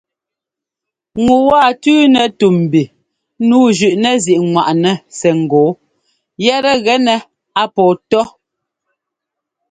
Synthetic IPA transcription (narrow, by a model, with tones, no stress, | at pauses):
ŋu˨waː˦˨tʉː˦nɛ˨tu˨m̩˨bi˨ | nuː˨˦ʒʉ˨ʔnɛ˨zi˨ʔŋwa˨ʔnɛ˨sɛ˨ŋ̩˨ɡɔ˨˦ | jɛ˦ɾɛ˦ɣɛ˦nɛ˨ | a˦pɔː˨tɔ˦